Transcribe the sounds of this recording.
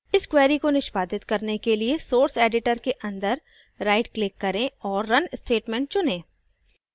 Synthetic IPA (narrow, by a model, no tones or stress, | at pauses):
ɪskwɛːɾikonɪʃbaːd̪ɪt̪kɐɾnekeliesoːɾseːɖɪʈəɾkeʔɐ̃nd̪əɾ | ɾaːɪʈklɪkːɐɾẽɔːɾːɐnsʈeːʈmɛ̃ːɳʈ̚t͡ʃʊnẽː